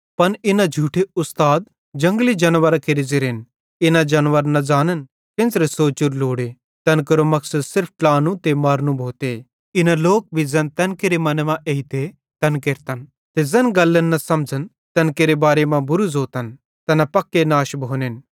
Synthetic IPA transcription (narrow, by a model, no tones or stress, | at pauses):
pɐnɪnãd͡ʒʱuːʈʰeʊst̪aːd̪̚ | d͡ʒɐ̃ŋɡlid͡ʒɐnʋəɾakeɾizɪɾen | ɪnãd͡ʒɐnʋəɾnɐd͡ʒaːnən | kɪ̃nsɾesoːt͡ʃʊɾloːɽe | t̪ɐnkɐɾomɐksɐd̪sɪɾp̚ʰʈlaːnũt̪emɐːɾnũbʱoːt̪e | ɪnaloːk̚bʱizɛnt̪ɐnkeɾemɐnmãʔeːit̪e | t̪ɐnkeɾt̪ən | t̪ezɛnɡɐlːənːɐsɐmd͡ʒʱən | t̪ɐnkeɾebaːɾemãbʊɾuzoːt̪ən | t̪ɛnapɐkːenaːʃbʱoːnɪn